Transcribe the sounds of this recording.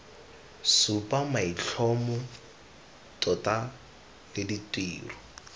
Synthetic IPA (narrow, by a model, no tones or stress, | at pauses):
supʼamaiɬʰɔmʊ | tʼɔtʼa | lɪditʼiːrɔ